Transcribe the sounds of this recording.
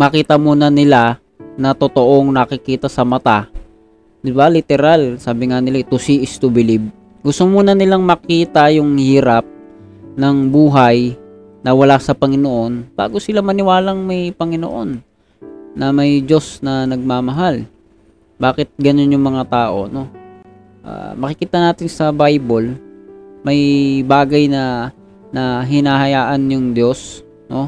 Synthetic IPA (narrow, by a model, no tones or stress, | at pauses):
mɐkiːt̪ɐmuːnɐnɪla | nɐt̪ot̪o̞ʔo̞ŋnɐkɪkiːt̪ɐsɐmɐt̪a | d̪ɪbalɪt̪ɛɾalsaːbɪŋanɪlat̪ʊsiʔɪst̪ʊbɪlɪb̚ | ɡʊst̪omuːnɐnɪlaŋmɐkiːt̪ɐjʊŋhiːɾap̚ | nɐŋbuːɦaj | nɐwɐlasɐpɐŋɪnoʔo̞nb̥a̰ːɡo̞sɪlamɐnɪwaːlɐŋmɐjpɐŋɪno̰ʔo̞̰nː | ɐmɐjd͡ʒo̞snɐnɐɡ̚maːmɐɦal | baːkɪt̪̚ɡɐno̞njʊŋmɐŋat̪aːʔo̞̰no̞ | ʔa̰ːmɐkɪkiːt̪ɐnaːt̪ɪnsɐbajbol | mɐjbaːɡɐjnɐ | nɐɦɪnaːɦɐjaːʔɐnjʊŋd̪jo̞s | no̞